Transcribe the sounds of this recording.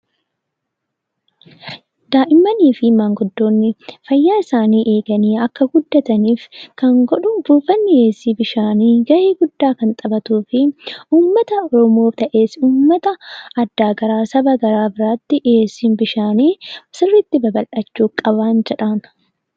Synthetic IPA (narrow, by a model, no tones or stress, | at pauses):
d̪aːʔɪmːɐniːfɪmaːŋɡʊd̪ːo̞ːnːɪfɐjːaːɪsaːniːʔeːɡɐniːɐkːɐɡʊd̪ːɐt̪ɐniːfkɐŋɡɔᶑʊbuːfɐnːɪe̞ːsːiːbɪʃaːniːɡɐʔeːɡʊd̪ːaːkɐnt̪ʼɐbɐt̪uːfɪuːmːɐt̪ɐɔɾɔmo̞ːft̪ɐʔe̞ːsuːmːɐt̪ɐɐd̪ːaːɡɐɾaːsɐbɐɡɐɾaːbɪɾaːt̪ːɪʔeːsːiːnbɪʃaːniːsɪrːɪt̪ːɪbɐbɐlʔɐt͡ʃːuːkʼɐβaːnd͡ʒɛᶑan